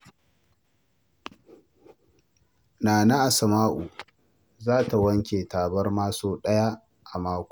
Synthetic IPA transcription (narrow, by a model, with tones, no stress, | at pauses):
naː˨na˦ʔa˨sɐ˨maː˦ʔu˨ | zaː˦ta˨wɐ˦ŋkʲeː˨taː˨bɐ˦rmaː˦soː˦ɗɐ˦ja˦ | ʔa˨maː˦kʷː